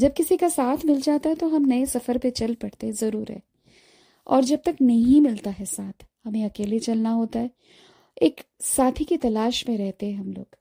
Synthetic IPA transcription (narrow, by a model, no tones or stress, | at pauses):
d͡ʒɐb̚kɪsikasaːt̪ʰmɪld͡ʒaːt̪aɦɛt̪oɦɐmnɐesɐfəɾpet͡ʃɐlpɐɽ̤t̪eɦɛ̃zɐɾuːɾɦɛ̰ː | ɔ̰ːɾd͡ʒɐb̚t̪ɐknɐɦĩmɪlt̪aɦɛsaːt̪ʰhɐmẽɐkeːlet͡ʃɐlnaɦoːt̪aɦɛ | eːk | saːt̪ʰikit̪ɐlaːʃmẽɾɛɦt̪eɦɛ̃ɦɐmlo̰ːɡ̥